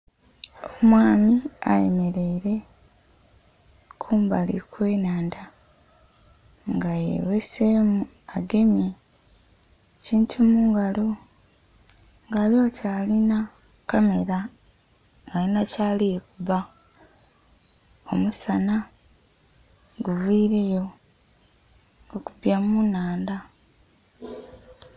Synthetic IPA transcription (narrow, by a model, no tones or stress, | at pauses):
omwaːmia̰je̞̰me̞ɾe̞iɾe̞ | kʰuːmbalḭkwe̞ːnaːnda | ŋɡajḛwesemu | aɡe̞mje | ciːntʰumuːŋɡalo̞ | ŋɡaːlocaːlina | kame̞ɾa | ŋɡajinacaːliekuβa | o̞̰musana | ɡuvwiːɾe̞jo̞ | okubjamunaːnda